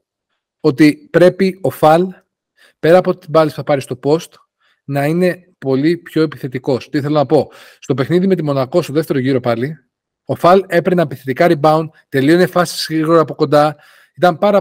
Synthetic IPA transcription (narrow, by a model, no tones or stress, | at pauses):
o̞t̪ipɾe̞pio̞fɐl | pe̞ɾɐːpo̞t̪it̪ibɐlispuθɐpɐɾist̪o̞po̞st̪ | nɐine̞ | po̞lipço̞e̞pi̥θe̞t̪iko̞st̪iθelonɐpo̞ | st̪o̞pe̞xniðime̞t̪̬imo̞nɐko̞st̪o̞ðeft̪e̞ɾoʝiɾo̞pɐli | o̞fɐle̞pɾenɐmpiθet̪ikɐɾibɐunt̪e̞lio̞ine̞fɐsi̥sɣɾiɣoɾɐɐpo̞ko̞nd̪ɐ | it̪ɐmpɐɾɐ